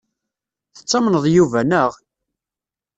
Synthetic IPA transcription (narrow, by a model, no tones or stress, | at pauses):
θə̥t͡sːɑmnəðˤjuvænəʁ